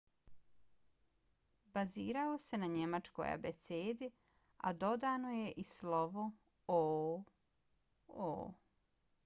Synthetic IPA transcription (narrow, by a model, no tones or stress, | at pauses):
baziːɾaose̞naɲe̞mat͡ʃko̞̰ja̰bet̪seːd̪i | a̰d̪o̞d̪aːno̞je̞ʔislo̞ʋo | o | o̰